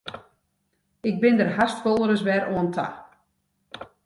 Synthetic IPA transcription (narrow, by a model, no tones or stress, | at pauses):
ɪk̚bɪndərɦastfolˠəɾəsʋɛɾoəntʰa̰